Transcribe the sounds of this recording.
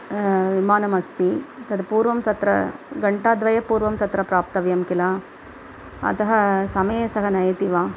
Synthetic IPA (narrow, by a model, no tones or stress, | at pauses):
ʋimaːnɐmɐst̪it̪ɐd̪puːɾʋɐmt̪ɐt̪ɾɐ̰ɡɐɳʈaːd̪ʋɐjɐpuːɾʋɐmt̪ɐt̪ɾɐpɾaːp̚t̪ɐʋjɐmkilaː | ɐ̰t̪ɐɦɐsɐmɐjɐsɐɦɐnɐjɐt̪iʋaː